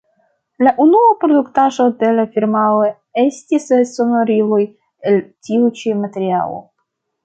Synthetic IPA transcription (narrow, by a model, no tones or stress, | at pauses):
laʔunuapɾo̞duktaʒo̞de̞lafiɾmalo | e̞stisso̞noɾiloj | eltiut͡ʃimateɾia̰lo̰